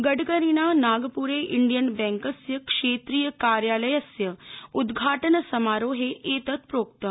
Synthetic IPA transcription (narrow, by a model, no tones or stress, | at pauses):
ɡəɽɡəɾiːnanaːɡpuːɾeʔiɳɖijənbɛ̃ŋkəsjəkʂeːt̪ɾiːjəkaːɾjaːləjəsjəud̪ɡʱaːʈənəsɐmaːɾoːɦeʔet̪ət̪pɾoːk̚t̪ə